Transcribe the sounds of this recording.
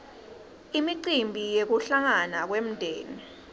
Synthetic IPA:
imiǃimbʱijek̬uɬaŋanak̬wem̩dʱeːni

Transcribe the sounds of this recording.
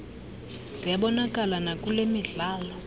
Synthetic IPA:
z̥ijaɓɔnakʼalanakʼulemiɮaːlɔ

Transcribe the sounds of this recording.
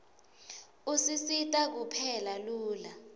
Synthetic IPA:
usisitʼak̬upʰɛlaluːla

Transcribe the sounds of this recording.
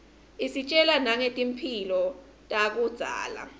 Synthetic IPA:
isit͡ʃʼɛlanaŋetʼim̩pʰilɔ | tʼak̬ud̥z̥ʱa̰ːla̰

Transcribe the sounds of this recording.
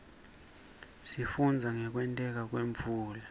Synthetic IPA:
sifund͡zʱaŋɛk̬wɛntʼɛk̬ak̬weɱvuːla

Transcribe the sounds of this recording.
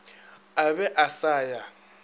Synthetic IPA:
abɛʔasaːja

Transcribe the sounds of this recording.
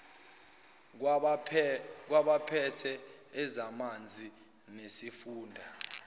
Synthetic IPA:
k̬waɓapʰɛtʰɛːzamand͡zʱi | nesifuːndʱa

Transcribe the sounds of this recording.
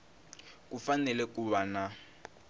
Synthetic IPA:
k̬ʼufanɛlɛk̬ʼuβana

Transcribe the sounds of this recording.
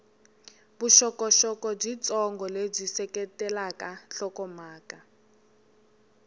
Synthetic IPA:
buʃɔkɔʃɔkɔb͡ʐit͡sʼɔŋɡʱɔleb͡ʐisɛkɛtɛlakaɬɔkɔmaːka

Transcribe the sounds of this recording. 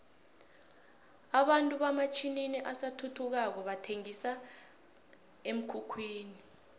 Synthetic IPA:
aɓantʼuɓamat͡ʃʰininiʔasatʰutʰuk̬ak̬ɔɓatʰeŋisa | em̩kʰukʰwiːni

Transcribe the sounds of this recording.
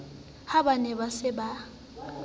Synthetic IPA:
habanɛbasɪba

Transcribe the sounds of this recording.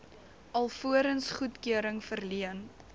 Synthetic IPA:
ɐlˠfuəɾənsχutkyəɾəŋfərliən

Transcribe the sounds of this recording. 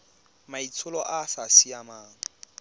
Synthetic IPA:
mait͡sʰʊlɔʔafasiamaːŋ̩

